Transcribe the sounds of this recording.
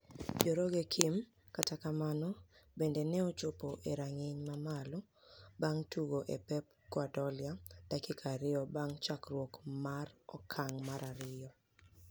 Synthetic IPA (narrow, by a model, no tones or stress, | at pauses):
d͡ʒoɾoɡekʰim | katakamanɔbendenɛɔt͡ʃopoʔeɾaŋeɲmamalɔ | baŋtuɡoʔepɛp̚ | kwadɔlɪad̥akɪkʰaɾɪjɔbaŋt͡ʃakrwɔkmarɔkʰaŋmaɾaɾɪjɔ